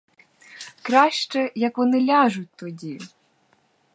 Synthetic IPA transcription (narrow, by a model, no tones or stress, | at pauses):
kɾɑʃt͡ʃɛjɐkʋɔnɪlʲɑʒʊt̚ʲt̪ɔdʲi